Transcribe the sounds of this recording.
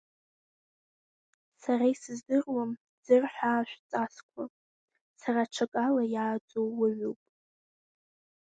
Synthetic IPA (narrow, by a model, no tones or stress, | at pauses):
saɾaisɨzdɨrwam | d͡zɨrħʷaːʃᶣʷt͡sʼaskʷʰa | saraʈ͡ʂʷʰakʼalajaːt͡sʼowːaɥuwpʼ